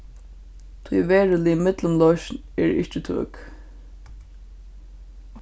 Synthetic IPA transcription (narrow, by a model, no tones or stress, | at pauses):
t̪ʰujʋɛːɹəlɪɪmɪt̪lʊmlɔʃn | ɛːɹɪ̰ʃt͡ʃɪt̪ʰø̰ːk